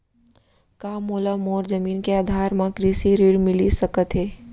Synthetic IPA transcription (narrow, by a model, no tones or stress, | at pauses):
kaːmoːlamoːɾzəmiːnkeaːd̪ʱaːɾmãkɾiːsiɾiːɽmɪlisɐkət̪ɦɛː